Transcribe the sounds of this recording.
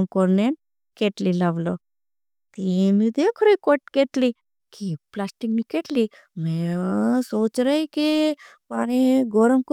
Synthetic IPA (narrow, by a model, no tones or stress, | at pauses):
mkoɾnen | keʈlilɐʋlo | t̪imid̪ekʰɾojkoʈ̚keʈli | kiplasʈiknikeʈli | mesoːt͡ʃɾajki | paniɡoɾɐmku